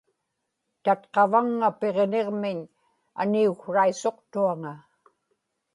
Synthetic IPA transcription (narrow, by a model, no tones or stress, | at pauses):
t̪at̪qɑvaŋːape̞ʁne̞ʁmɪɲ | a̰niuxraiso̞qt̪uaŋa